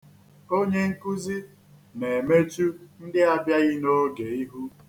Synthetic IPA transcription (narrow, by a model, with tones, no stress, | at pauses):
o˦ɲe˦ŋ̩˦ku˦zi˦ | ne˨e˨me˦t͡ʃu˦n̩˦dɪ˦a˦bja˦ɣɪ˦no˦ɡe˨i˦ɦu˦